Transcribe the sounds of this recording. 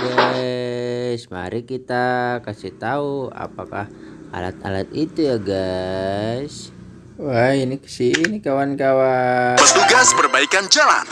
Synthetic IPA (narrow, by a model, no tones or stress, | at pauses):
ɡa | sma̰ɾikit̪akasiht̪aua̰pakah | a̰la̰t̪̚a̰lat̪it̪ujaɡa | s | wajiniksiinikawankawapət̪uɡaspərbaikand͡ʒala̰n